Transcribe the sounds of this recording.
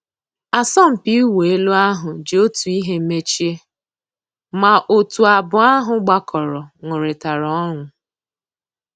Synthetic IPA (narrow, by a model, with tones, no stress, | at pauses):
a˨sɔ˦m̩˨pi˦we˨e˦lu˦a˦ɦʊ˨d͡ʒe˨o˦tu˨i˦ɦe˦me˦t͡ʃi˦e˦ | ma˨ʔo˨tu˨a˨bʊ˨a˦ɦʊ˨ɡ͡ba˨kʰɔ˨ɾɔ˨ŋʷʊ˨ɾɪ˨ta˨ɾɔ˨˦ŋʷʊ˨